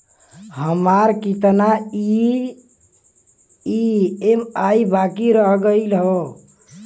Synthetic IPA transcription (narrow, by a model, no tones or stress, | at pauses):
ɦəmaɾkit̪nai | iemaibakiɾəɦɡəlɦo